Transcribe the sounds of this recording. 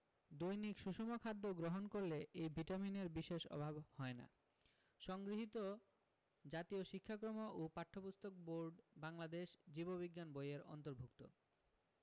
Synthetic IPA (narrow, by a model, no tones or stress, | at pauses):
d̪ojnikʃuʃomokʰad̪ːoɡɾoɦonkoɾleʔejbʱiʈamineɾbiʃeʃɔ̰bʱabhɔena̰ | ʃɔŋɡɾiɦit̪o | d͡ʑat̪ioʃikʰːakɾomoʔopaʈʰːopust̪ʰok̚boɾɖbaŋlad̪eʃd͡ʑiboβiɡːanbojeɾɔ̰nt̪oɾbʱukt̪o̰